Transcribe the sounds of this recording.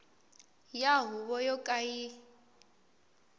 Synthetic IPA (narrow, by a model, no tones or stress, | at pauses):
jaɦuβɔjɔkʼaji